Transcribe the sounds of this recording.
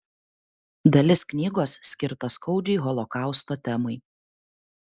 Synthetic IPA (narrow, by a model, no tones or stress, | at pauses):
d̪ɐlʲɪsknʲiːɡoːssʲkʲɪɾt̪ɐskɔʊd͡ʒʲɛɪɣɔlˠɔkɑˑʊst̪oːt̪ʲɛmɐɪ